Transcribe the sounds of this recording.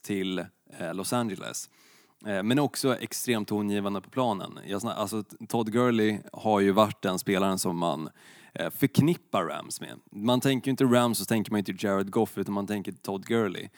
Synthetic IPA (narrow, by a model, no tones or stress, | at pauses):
t̪ʰɪl | lɔsand͡ʒɛlɛ̰s | mɛnɔksɔʔɛ̰kst̪ɾeːmt̪ʰːʊnjiːvand̪əpʰɔpʰlɑːnə̰njɑsnʔa̰lsɔt̪ʰɔd̪ɡœlɪhaɾjɵvaʈːd̪ɛnspeːlaɾənsɔmːa̰n | fœɾkʰnɪpːaɾːæ̰msmḛmant̪ʰɛŋkəɾjʏɪnt̪əɾamsɔt̪ʰɛŋkəɾmanjʏnt̪əd͡ʒɛɾad̪ɡɔfʉ̟ːt̪anmant̪ʰɛŋkət̪ʰɔd̪ɡœɾɭɪ̰